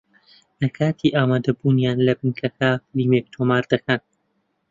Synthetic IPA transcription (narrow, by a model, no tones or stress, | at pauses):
ʔɐkʰaːt̪ʰiʔaːmaːd̪ɐbunjaːnlɐbɨnkʰɐkʰaːliːmeːk̚t̪ʰoːmaːɾd̪̥ɐkʰɐn